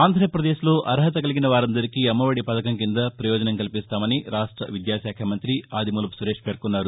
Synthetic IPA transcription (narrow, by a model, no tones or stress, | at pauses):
aːnd̪ʱɾɐpɾɐd̪e̞ːʃloːʔɐɾɦɐt̪ɐkɐliɡinɐʋaːɾɐnd̪ɐɾikiɐmːɐʋɐɽipɐt̪ɐkɐŋkind̪ɐpɾɐjɔːd͡ʒɐnɐŋkɐlipist̪aːmɐniɾaːʂʈɾɐ̰ʋid̪jaːʃjaːkʰɐmɐnt̪ɾiaːd̪imuːlɐpu̥suɾe̞ːʂpeːɾkunːaːɾu